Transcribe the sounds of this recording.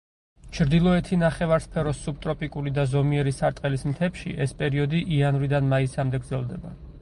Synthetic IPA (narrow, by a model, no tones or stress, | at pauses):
t͡ʃʰɾd̪ilˠɔɛt̪ʰinaχɛvaɾspʰɛɾɔsːub̚t̪ʼɾɔpʼikʼulid̪azɔmiɛɾisaɾt̪ʼqʼɛlismt̪ʰɛpʃḭʔɛspʼɛɾiɔd̪iʔianvɾid̪anmaisamd̪ɛɡɾd̪zɛlˠd̪ɛba